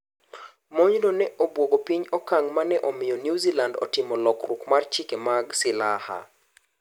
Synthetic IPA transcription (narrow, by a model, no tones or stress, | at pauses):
moɲnonɛʔobwoɡopiɲɔkaŋmanɛʔɔmɪjɔnjuzilandɔ̰tɪmɔlɔkrukmart͡ʃikemaɡsɪlaha̰